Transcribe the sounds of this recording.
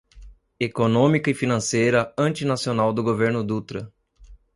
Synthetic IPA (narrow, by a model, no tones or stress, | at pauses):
ekonõmikɐɪfinɐ̃sejɾɐɐ̃nt͡ʃinasionawd̪ʊɡoveɾnʊd̪ut̪ɾɐ